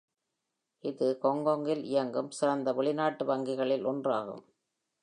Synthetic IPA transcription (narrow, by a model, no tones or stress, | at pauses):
ʔɪðɯkɔŋɡɔŋɡɪlɪjɐŋɡɯmsɪɾɐnd̪ɐʋɛɭɪnaːʈːɯʋɐŋɡɪɣɐɭɪlɔndraːɣɯ̰m